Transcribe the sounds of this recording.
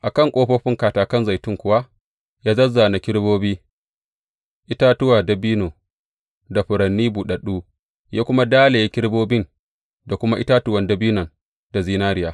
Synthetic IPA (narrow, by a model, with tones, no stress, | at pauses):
ʔa˨kɐ˦˨ŋkʷʼoː˦ɸoː˦ɸɪ˦ŋkaː˨taː˨kɐ˦nza˨jtʊ˦ŋkʷʊ˦wa˦ | jaː˦zɐ˦zːaː˨na˨kʲɪ˦ɽboː˦biː˦ | ʔɪ˦ta˦tʊ˦waː˨da˨biː˦noː˨ | da˨ɸʊ˨ɾɐ˨nːiː˦buː˨ɗɐ˨ɗuː˦ | jaː˦kʷʊ˦ma˦daː˦le˨ja˦kʲɪ˦ɽboː˦bɪ˦n | da˨kʷʊ˦ma˦ʔɪ˦ta˦tʊ˦wɐ˨ndɐ˦biː˦nɐ˨n | da˨ziː˦naː˦ɾɪ˦jaː˨˦